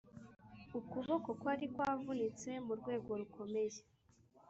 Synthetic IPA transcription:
ukuβoko̞kwaɾikwavunit͡se̞muɾɡwe̞ːɡo̞ɾukʰo̞me̞je

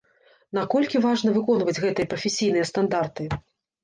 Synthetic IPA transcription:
nakɔlʲkʲivaʐnɐvɨkɔnvɐd͡zʲɣɛt̪ɨjɐpɾɐfʲesʲijnɨjɐst̪and̪art̪ɨ

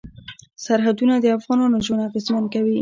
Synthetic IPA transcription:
saɾɦad̪unad̪əafɣɑnɑnoʒonaɣezmankawi

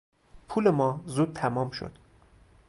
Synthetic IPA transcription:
pʰuːlemɒːzuːd̪̚t̪ʰæmɒːmʃo̰d̪̥

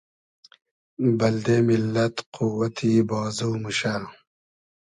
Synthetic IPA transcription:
bɐld̪eːmilːɐt̪qʰuwɐt̪ʰibɑːzuːmuɕaɾ

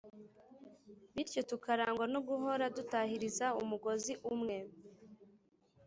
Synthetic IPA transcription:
βiɾco̞tukaɾaːŋɡwanoɡuɦo̞ɾadutahiɾizaumuɡo̞ziʔumŋe̞

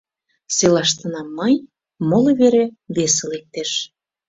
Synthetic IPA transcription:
selɑʃt̪ə̆nɑmːɤj | molŏβeɾeβeselek̚t̪eʃ

